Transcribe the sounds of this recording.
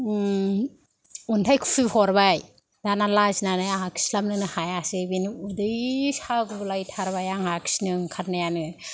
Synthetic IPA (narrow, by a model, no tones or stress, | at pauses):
untʰajkʰu̥pʰihɔɾbaj | danalaznanɯjaŋakʰi̥slamnɯnɯhajasɯbinudɯjsaɡɯblajtʰaɾbajaŋhakʰi̥snɯŋkʰaɾnajanɯ